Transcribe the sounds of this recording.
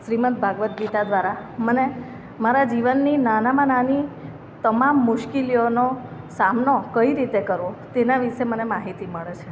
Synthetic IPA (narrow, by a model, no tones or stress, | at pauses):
ʃɾimət̪̚bʱaɡʋət̪̚ɡit̪ad̪ʋaɾaməne | maɾad͡ʒiʋənːinanamanani | t̪əmamːʊʃkilijonosamnokəiɾit̪ekəɾʋot̪enaʋiʃemənemaɦit̪iməɭet͡ʃʰe